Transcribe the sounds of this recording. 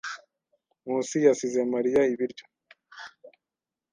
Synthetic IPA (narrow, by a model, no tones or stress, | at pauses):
musijasizemaɾijaiβiɾɟo̥